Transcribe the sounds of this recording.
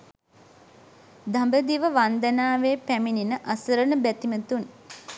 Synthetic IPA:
d̪ambəd̪iʋəʋand̪ənaːʋeːpæmininəʔasəɾənəbæt̪imət̪un

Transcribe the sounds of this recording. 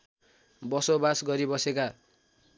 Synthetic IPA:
bʌsobasɡʌɾibʌseka

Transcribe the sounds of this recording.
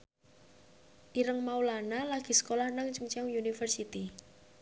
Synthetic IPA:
ʔiɾəŋmaulanalaɡ̥i̤sə̥kolahnaŋt͡ʃəŋt͡ʃaŋjunifərsit̪i

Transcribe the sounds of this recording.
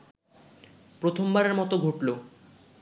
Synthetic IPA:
pɾot̪ʰombaɾeɾmɔt̪oɡʱoʈlo

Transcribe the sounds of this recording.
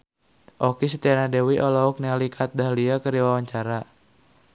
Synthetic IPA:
ʔɔkis̬it̪ianadewiʔɔlɔuk̚nialikʰat̪̚daɦliakəɾiwawaɲt͡ʃaɾa

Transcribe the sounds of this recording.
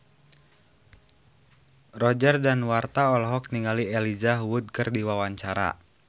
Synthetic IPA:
rɔd͡ʒərdanwart̪aɔlɔɦɔk̚niŋaliɛlizaɦwud̪̚kɨrdiwawaɲt͡ʃaɾa̰

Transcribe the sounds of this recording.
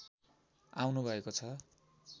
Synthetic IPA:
a̰wnubʱʌekot͡sʰʌ

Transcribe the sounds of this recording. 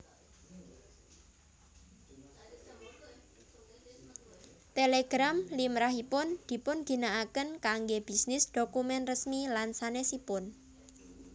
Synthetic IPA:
t̪eleɡ̥ɾamlimɾaɦipʊnd̪̥i̤pʊnɡ̥i̤naakənkaŋɡeb̥i̤snɪsd̪̥okumɛnrəsmilansanesipʊn

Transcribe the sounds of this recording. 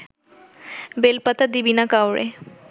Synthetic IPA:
belpat̪ad̪ibinakawɾḛ

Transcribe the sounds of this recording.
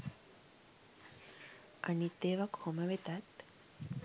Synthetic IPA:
a̰nit̪eʋakhomaʋet̪at̪

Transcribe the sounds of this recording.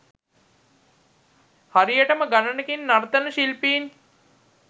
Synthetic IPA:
haɾijəʈəməɡanənəkinːaɾt̪ənəʃilpiːn

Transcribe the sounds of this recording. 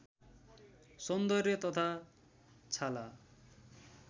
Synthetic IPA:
sʌnd̪ʌrjʌt̪ʌt̪ʰa | t͡sʰala

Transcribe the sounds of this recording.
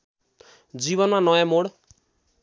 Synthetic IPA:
d͡ziβʌnmanʌjãmoɽ

